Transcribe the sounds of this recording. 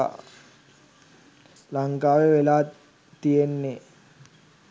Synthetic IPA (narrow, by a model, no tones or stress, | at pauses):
laŋkaːʋeʋelaː | t̪ijenːe